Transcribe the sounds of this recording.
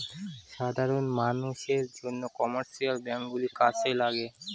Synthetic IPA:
ʃad̪ʱaɾonmanuʃeɾd͡ʑonːokɔmaɾʃialbɛŋkɡulikat͡ɕʰelaɡe

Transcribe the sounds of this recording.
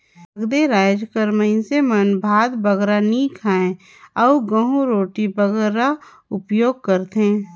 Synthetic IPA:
ɡd̪eɾaːd͡ʒkəɾməɪsemənbʱaːd̪bəɡɾanikʰaːẽ | ɔuɡə̃ɦũɾoːʈibəɡɾa | ʊpjoːɡ̚kəɾt̪ɦẽː

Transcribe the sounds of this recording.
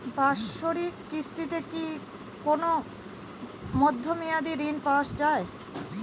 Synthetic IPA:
baʃoɾikːist̪it̪eki | kono | mɔd̪ʱːomijad̪iɾinpaʃd͡ʑae

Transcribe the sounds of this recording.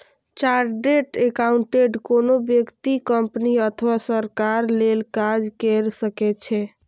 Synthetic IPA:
t͡ʃaɾɡeʈekauɳʈeɖkonobjəkt̪ikəmpniət̪ʰwasəɾkaɾlelkad͡ʒkɛɾsəkɛt͡ʃʰɛ

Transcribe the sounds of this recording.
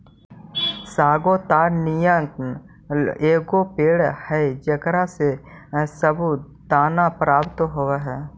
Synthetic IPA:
saːɡot̪aːɾnijə̃k | eːɡopeːɽhɛd͡ʒəkɾase | səbu | d̪aːnapɾaːpt̪ɦoʋaɦɛː

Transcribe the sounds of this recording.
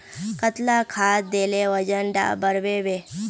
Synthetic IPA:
kət̪lakʰaːt̪̚d̪eleʋəd͡ʒənɖa̰ːbəɾʋeʋe

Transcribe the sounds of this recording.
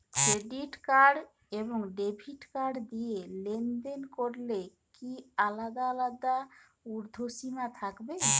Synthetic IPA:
kɾeɖiʈkaɾɖ | ebɔŋɖebʱiʈkaɾɖd̪ijelend̪enkoɾle | kialad̪aːlad̪a | uɾd̪ʱosinat̪ʰakbe

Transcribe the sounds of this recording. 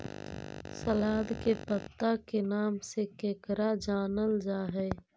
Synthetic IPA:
səlaːd̪kepət̪ːakenaːmsekeːkɾad͡ʒaːnəld͡ʒaːɦɛː

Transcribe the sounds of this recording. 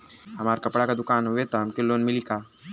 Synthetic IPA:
ɦɐmaːɾkɐpɽakad̪ʊkaːnɦʊet̪oɦɐmkɪlːoːnmɪlikaː

